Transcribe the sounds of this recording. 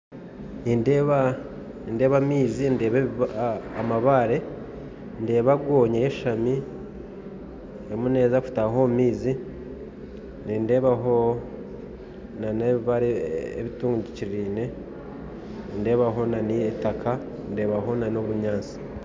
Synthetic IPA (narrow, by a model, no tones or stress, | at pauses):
nindeβa | ninde̞ːβamiːzinde̞ːβeː | maβaːɾe̞ | nde̞ːβaɡwoːɲejeʃami | emune̞ːzaku̥taɦomiːzi | ninde̞ːβaɦo | naneβiβaɾeeβituːŋɡuɟiciɾiːne̞ | ninde̞ːβaɦo̞nanietakʰa | nde̞ːβaɦo̞nanoβuɲaːnt͡si̥